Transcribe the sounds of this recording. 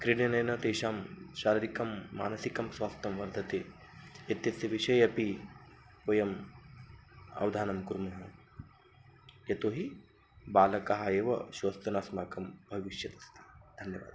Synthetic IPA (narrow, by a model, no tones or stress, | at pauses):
kɾiɽjɐnɐjnɐt̪eːʃaːmʃaːɾɐɾikɐmːa̰ːnɐsikɐmsʋaːst̪ʰɐmʋɐɾd̪ʱɐt̪eː | jɐt̪jɐt̪ːɐʋiʃɐjɐpi | pojɐm | ɐ̰ʋd̪ʱaːnɐmkuɾmɐɦɐ | jɐt̪oːɦi | baːlɐkaɦɐeːʋɐ̰ʃoːst̪ɐnaːsmaːkɐmbʱɐʋiʃjɐt̪ɐ̥st̪ʰḁd̪ʱɐnjɐʋa̰ːd̪